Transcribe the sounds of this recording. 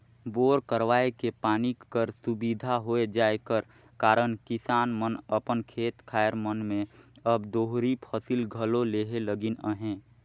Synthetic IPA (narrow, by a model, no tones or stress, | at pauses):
boːɾkəɾwaːekepaːnikːəɾsubid̪ʱaɦoed͡ʒaːekəɾ | kaːɾənkɪsaːnmənəpənkʰeːt̪kʰaːjəɾmənmẽəbd̪oɦɾipʰəsilɡʱəloleɦeləɡɪnə̰ɦẽː